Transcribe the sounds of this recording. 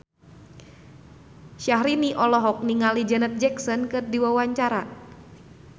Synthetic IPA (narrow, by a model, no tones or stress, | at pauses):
ʃaɦɾiniʔɔlɔɦɔk̚niŋalid͡ʒənət̪̚d͡ʒɛksɔnkɨrdiwawaɲt͡ʃaɾa